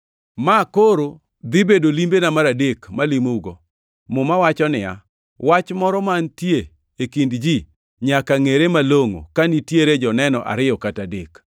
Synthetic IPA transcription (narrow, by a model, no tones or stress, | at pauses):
makoɾo | d̪ɪbedolimbenamaɾadekmalimouɡo | mʊmawat͡ʃɔnɪja̰ | wat͡ʃmɔɾɔmantje | ekindd͡ʒi | ɲakaŋeɾemaloŋo̰kanitjeɾed͡ʒɔnɛnɔʔa̰ɾɪjɔkatadek